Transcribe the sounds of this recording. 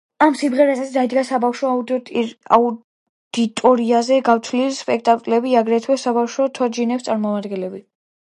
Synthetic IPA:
amsimʁɛɾasad̪aid̪ɡasabafʃɔaud̪a̰u | d̪̥it̪ʼɔɾiazɛɡaft̪ʰlilspʼɛk̚ʰt̪ʼakʼlɛbiaɡɾɛt̪ʰwɛsabafʃɔt̪ʰɔd͡ʒinɛpst̪sʼaɾmɔmad̪ɡɛ̃nlɛbi

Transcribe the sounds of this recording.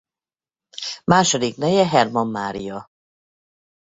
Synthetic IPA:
maːʃod̪iknɛjɛɦɛrmɒmːaːɾḭjɒ

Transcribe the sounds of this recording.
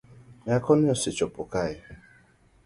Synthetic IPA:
ɲakɔnɪɔsɪt͡ʃɔpʊ̰kajɪ

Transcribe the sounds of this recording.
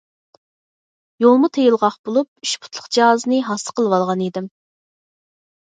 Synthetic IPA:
jolˠmut̪ʰejilˠʁɑχbolˠup̚yʃpʰʊ̥t̪ʰlˠəqd͡ʒiɦɑzɨnɨɦɑsə̥qʰəlˠwɑlˠʁɑnid̪ɪm

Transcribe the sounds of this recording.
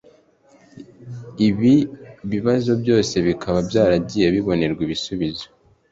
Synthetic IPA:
iβiβiβazo̞bjo̞ːse̞βikʰaβabjaːɾaɟijeβiβo̞ne̞ɾɡwiβisuβizo

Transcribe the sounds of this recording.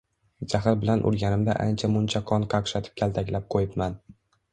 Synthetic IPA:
d͡ʒaχaɾbɪlanʔʊ̰ɾɡʲanɪmd̪a̰ʔa̰nt͡ʃʰamʊnt͡ʃʰaqʰɒnqʰɑqʃat̪ʰɪ̥p̚kʲʰalˠt̪ʰakʲlap̚qʰojɪpman

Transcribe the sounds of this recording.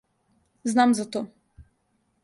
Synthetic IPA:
znamzat̪ɔ

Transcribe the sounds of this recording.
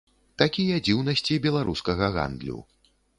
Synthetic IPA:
t̪akʲijɐd͡zʲiwnɐsʲt͡sʲibʲɛlˠaɾʔuskɐɣɐɣa̰nd̪lʲṵ

